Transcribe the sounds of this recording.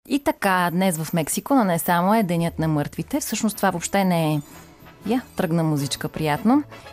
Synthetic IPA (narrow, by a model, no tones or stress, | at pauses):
it̪ɐkad̪nɛsvəfmɛksikononɛsamoɛd̪ɛnjət̪nɐmɤɾt̪vit̪ɛfsɤʃnost̪ovavopʃt̪ɛnɛɛ | jat̪ɾɤɡnəmuzit͡ʃkəpɾijat̪no